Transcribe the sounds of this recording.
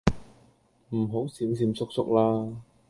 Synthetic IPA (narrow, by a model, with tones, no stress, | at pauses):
m̩˨˩ɦo˨˥wsiː˨˥ms̬iː˨˧˥msʊ˥k̚sʊ˥k̚laː˥